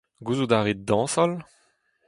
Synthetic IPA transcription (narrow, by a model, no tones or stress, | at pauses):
ɡuzud̪aʁed̪ɑ̃sɔl